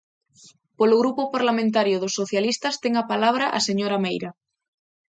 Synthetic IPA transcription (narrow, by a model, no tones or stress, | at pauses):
poloɣɾupopaɾlamẽnt̪̬aɾjoðosːoθjalist̪ast̪eŋapalaβ̞ɾaʔa̰seɲoɾamejɾa